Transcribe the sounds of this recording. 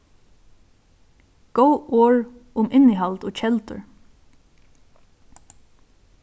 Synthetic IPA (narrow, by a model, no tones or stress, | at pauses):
ɡ̥əʊʔoːɹʔʊmʔɪnɪːhɑlt̪oːc͡çɛlt̪ʰə̰ɹ